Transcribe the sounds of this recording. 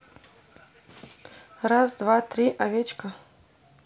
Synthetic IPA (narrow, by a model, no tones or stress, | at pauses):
razd̪vat̪ɾʲiʔavʲet͡ʃkə